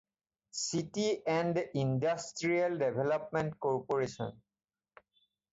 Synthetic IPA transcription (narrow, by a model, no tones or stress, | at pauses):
sitiɛ̃nɖindasʈɹialɖebʱelɔpmẽɳʈkɔɹpoɹeʃɔ̰n